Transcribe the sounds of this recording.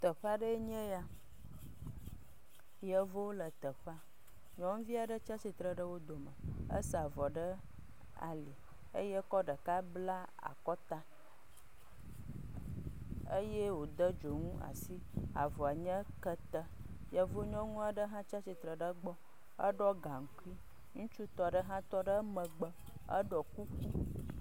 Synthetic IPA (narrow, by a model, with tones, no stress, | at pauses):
t̪ə˨ɸa˦ɖə˦e˦ɲɛ̃˦ja˦ | jə˦vo˦lə˨t̪ə˨ɸa˦ | ɲɔ̃˦ŋũ˦vi˦a˨ɖə˦t͡ʃa˦si˨t̪ɾə˨ɖə˦wo˦d̪o˨mə˨ə̰˦sa˨vɔ˨ɖə˦ | a̰˨li˨ | ə˦je˦kɔ˦ɖə˨ka˦bla˦ | a̰˨kɔ˦t̪ã˦ | ə˦je˦wo˨d̪ə˦d͡ʒo˨ŋũ˦ʔa̰˨si˦a̰˨vɔ˨a˨ɲə̃˦kə˦t̪ə˦ | ja˨vo˦ɲɔ̃˦ŋũ˦a˨ɖə˦ɦã˦t͡ʃa˦si˨t̪ɾə˨ɖə˦ɡ͡bɔ˦ | ə̰˦ɖɔ˦ɡã˨ŋ̩˨ku˦i˦ | ŋũ˦t͡ʃu˦t̪ɔ˦ɖə˦ɦã˦t̪ɔ˦ɖə˦mə̃˨ɡ͡bə˦ | ə̰˦ɖɔ˨ku˦